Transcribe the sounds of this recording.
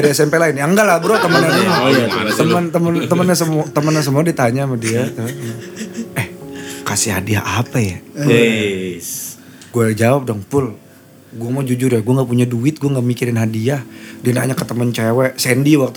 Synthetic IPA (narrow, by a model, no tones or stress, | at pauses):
daɾiasɛmpɛlaɪnjaŋɡalabəɾot̪əmənanaat̪əmənt̪əmənt̪əmənɲasəmt̪əmənːas̬əmuadiat̪aɲamadiat̪ | ɛhkasiha̰diaʔapaja | ɡuad͡ʒawap̚dɔŋpʊl | ɡuamad͡ʒud͡ʒʊrjaɡuaŋɡapuɲaduɪt̪̚ɡuaŋɡamikiɾɪnɦadiahdianaɲakət̪əmənt͡ʃɛwɛsɛndiwak̚t̪u